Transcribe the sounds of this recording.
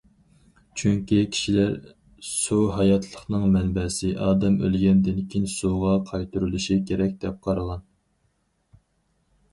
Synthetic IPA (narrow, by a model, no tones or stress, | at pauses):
t͡ʃʰyŋkʲikʲʰi̥ʃilæɾ | suɦɑjɑt̪ʰlˠəχnɨŋmɛnbɛsɪʔɑːd̪ɛmø̰lɡʲɛnd̪ɪnkʲʰinsuʁɑqʰɑjt̪uɾylˠuʃikʲʰeɾɛk̚ʲd̪ɛp̚qʰɑɾɨlˠɑn